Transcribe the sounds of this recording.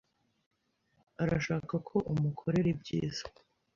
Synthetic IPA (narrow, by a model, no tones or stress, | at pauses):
aɾaʃaːkakʰo̞ʔumukʰo̞ɾe̞ɾebɟḭːz̥ḁ